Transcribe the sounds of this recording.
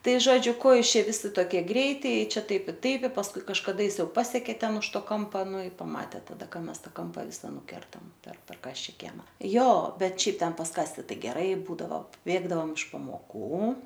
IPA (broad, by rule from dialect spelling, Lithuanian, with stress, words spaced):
ˈtɐɪ ˈʒoːd͡ʒʲʊ ˈkoː ˈjuːs ˈt͡ʃʲɛ ˈʋʲɪsʲɪ ˈtoːkʲiɛ ˈɡrʲɛɪtʲɪ ɪ ˈt͡ʃʲɛ ˈtɐɪp ɪ ˈtɐɪp ɪ pɐsˈkʊɪ kɐʃkɐˈdɐ jɪs ˈjɛʊ ˈpɑːsʲɛkʲeː ˈtʲɛn ʊʃ ˈtoː ˈkoːmpɐ ˈnʊ ɪ ˈpɑːmɐtʲeː tɐˈdɐ ˈkɐ ˈmʲɛs ˈtɑː ˈkɐmpɐ ˈʋʲɪsɐ nʊˈkʲɛrtɐm pʲɛr pʲɛr ˈkɑːsʲt͡ʃʲɛ ˈkʲiɛmɐ ˈjoː ˈbʲɛt ˈʃʲɛɪp ˈtʲɛn pɐs ˈkɑːsʲtʲɪ ˈtɐɪ ɡʲɛˈrɐɪ ˈbuːdɐʋoː ˈbʲeːɡdɐʋoːm ɪʃ pɐmoːˈkuː